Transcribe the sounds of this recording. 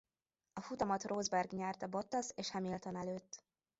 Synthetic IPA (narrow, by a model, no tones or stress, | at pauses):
ɒfut̪ɒmɒt̪rʔoːzbɛrɡɲɛrt̪ɒbo̞t̪ːɒseːʃhɛmilt̪o̞nɛløːt̪ː